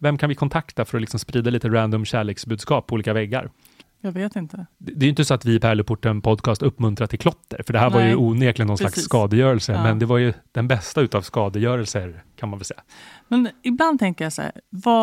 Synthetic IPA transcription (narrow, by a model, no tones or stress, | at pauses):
vɛmkʰanvɪkʰɔnt̪ʰakt̪afœɾɔlɪksɔmspɾiːd̪aliːt̪əɾænd̪ɔmɕæːɭeːksbʉ̟d̪skɑːpʰːɔuːliːkavɛɡːa̰ɾ | jɑːɡveːt̪ɪnt̪əd̪ɛːjʏnt̪əsɔat̪vɪpʰæːɭəpːʊʈːənpʰɔd̪kʰɑːst̪ɵpːmɵnt̪ɾat̪ʰːɪlkʰlɔt̪ʰːə̰ɾfœɖɛɦæːɾvaɾjɵuːneːklɪnɔnslakssːkɑːd̪əjœːɾɛlsəmɛnd̪ɛvaɾjɵd̪̥ɛnbɛst̪aʉt̪avskɑːd̪əjœːɾɛlsəɾkʰanmanvɛlsɛjːamɛnɪbland̪̚t̪ʰɛŋkəɾjasæ̰ːɾva